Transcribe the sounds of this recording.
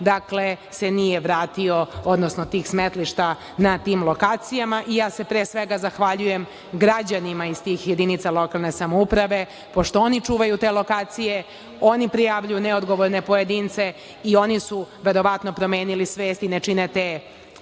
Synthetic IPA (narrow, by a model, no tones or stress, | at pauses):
d̪akle̞se̞nijeʋɾaːt̪io̞od̪nosnot̪iːxsmet̪liʃt̪a | nat̪iːmlˠo̞kaːt̪sijamaʔijaːse̞pɾeːsʋeɡazaxʋaʎujem | ɡɾad͡ʑanimaist̪iːxjed̪init̪salˠo̞kalˠne̞samoupɾaʋe̞ | po̞ʃt̪oonit͡ʂuːʋajut̪eːlo̞kaːt̪sije̞ | o̞nipɾijaʋʎujuneod̪ɡo̞ʋoɾne̞po̞jed̪iːnt̪se̞ | io̞nisuʋe̞ɾo̞ʋat̪no̞pɾo̞meːnilisʋeːst̪inet͡ʂinet̪eː